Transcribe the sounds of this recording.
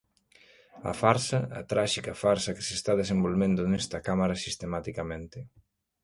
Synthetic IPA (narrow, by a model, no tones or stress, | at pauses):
ɐ̰faɾsɐa̰t̪ɾaʃikɐfaɾsɐke̥sest̪aðesembolβend̪ʊnɛst̪ɐkamaɾɐsist̪emat̪ikamẽnt̪e